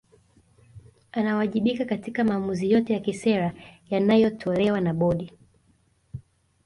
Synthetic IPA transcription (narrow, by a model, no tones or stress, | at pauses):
anawaʄiɓikakatikamaːmuzijɔtɛjakisɛɾajanajɔtʰɔlɛwanaɓɔɗi